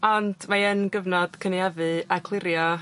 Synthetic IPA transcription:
ɔnd̥maənɡəvnɔd̥kʰəniavɨakʰlˠɪɾjɔ

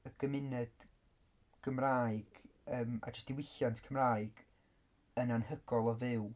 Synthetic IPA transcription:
əɡ̥əmɪnɛd̥ | ɡ̥əmraːɨɡ̥ | əːma̰d͡ʒəsd̥ɪwɪɬjantʰkʰəmraːɨɡ̥ | ənanhəɡ̥ɔlˠɔvɨw

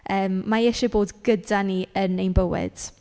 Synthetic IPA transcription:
əːmːaɛʃɪboːdɡədaniənejnbəwɪ̰d̥

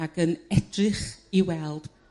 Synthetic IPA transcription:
aɡənɛdrɪχiwɛlˠd̥

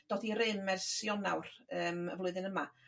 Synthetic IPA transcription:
d̥oːθiɾɪnmɛrsjɔna̰wrəːmə̰vlʊɨðɨnəma

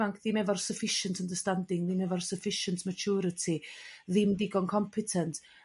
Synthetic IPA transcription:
aŋkʰðimɛvɔrsəfɪʃəntʰəndəstandɪŋðɪmɛvɔrsəfɪʃəntmət͡ʃʰuːɾətʰiðɪmdɪɡɔnkʰɔmpʰɪtʰəntʰ

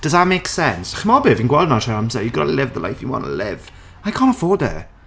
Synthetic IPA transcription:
d̥ʌzðəʔ̚meksɛnsχəmɔbɪvĩnɡwɛlˠdnaʃaɹãmsɛjəɡədəlɪvðəla̰ɪfjə̰wɑ̰̃nə̰lɪ̰v̥ | ajkʰɑ̃ːntəfɔːd̪̚ðə̰

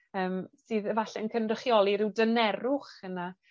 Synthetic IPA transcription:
əːmsɨːðəvaɬɛənkʰənrɪχjɔlˠiɾɪwdənɛɾʊχəna

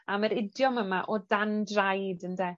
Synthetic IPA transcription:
aməɾɪdjɔməmaʔɔdandrajdəndɛ

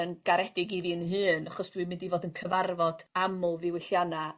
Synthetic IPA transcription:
ənɡ̥aɾɛdɪɡivinɦɨːnaχɔsd̥wimɪndivoːdənkʰəvarvɔd̥amʊlˠvɪwɪɬjana

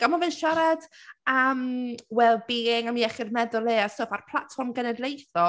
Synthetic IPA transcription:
ɡ̥amɔvɪnʃaɾad̥əmwɛlˠbiːɪŋamiːɛχɪrmɛðʊlˠeːastofarpʰlˠatfɔrmɡɛnɛdlˠejθɔ

